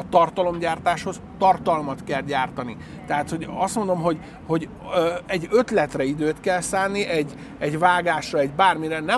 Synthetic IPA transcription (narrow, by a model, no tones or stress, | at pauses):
ɒt̪ɒrt̪ɒlo̞mɟaːrt̪aːʃho̞z | t̪ɒrt̪ɒlmɒt̪kɛlɟaːrt̪ɒni | t̪ɛɦat̪ho̞ɟɒst̪mond̪o̞mɦo̞ɟ | ho̞ɟ | øɛɟːø̞t̪lɛt̪rɛid̪øːt̪kɛlsaːnːiʔɛɟː | ɛɟvaːɡaːʃrɒɛɟbaːrmiɾɛnɛ